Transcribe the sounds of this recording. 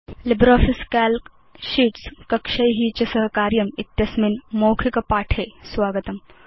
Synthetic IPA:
lɪbɾaːfʰɪskɛːl | ʃiːʈskɐkʃɐjɦiːt͡ʃɐsɐɦkaːɾjɐmɪt̪jɐsminmoːkʰikɐpaːʈʰeːswaːɡət̪ɐm

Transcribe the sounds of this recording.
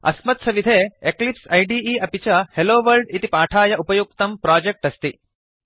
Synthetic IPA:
ɐ̰smɐt̪sɐʋid̪ʱeːeklipsɐjɖiːiːʔɐpit͡ʃɐheloːʋɐlɖit̪ipaːʈʰaːjɐʔupɐjuk̚t̪ɐmpɾaːd͡ʒek̚ʈɐst̪i

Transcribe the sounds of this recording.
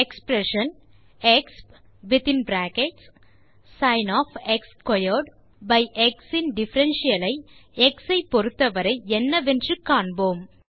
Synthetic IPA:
ɛkspɾɛʂɐn | ɛksp | ʋɪt̪ɪ̃nbɾaːkɛʈsː | ɐɪnɔːfɛkskɔjɔɾɖ | bɐɪʔɛksɪ̃nɖɪfɐɾɛnʃɪjɐlɐɪɛksɐɪpɔɾɯt̪ːɐʋɐɾɐɪɛnːɐʋɛndrɯkːaːɳboːm

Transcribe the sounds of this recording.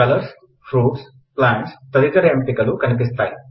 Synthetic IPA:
kɐlɐɾs | fɾuːʈs | plaːɳʈst̪ɐd̪it̪ɐɾɐɐmpikɐlukɐnip̬ist̪aːji

